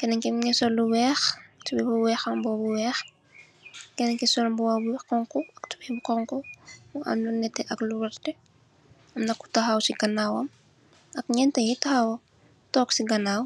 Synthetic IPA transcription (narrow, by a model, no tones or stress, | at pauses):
kɛnɛŋkimɲɛsɔluwɛːxtubɛbuwɛːxɐmbɔːbuwɛːx | kɛnɛŋkisɔlmbuwabuwɛkɔŋkɔɐktu̥bibukɔŋkɔuʔɐ̰mlunɛtːɛʔɐkluwɛrtɛ | ɐmnɐkːu̥tɐɦawsiɡɐnːaːwɐm | ɐkɲɛntɐjitɐhawɐm | tɔːksiɡɐnaːw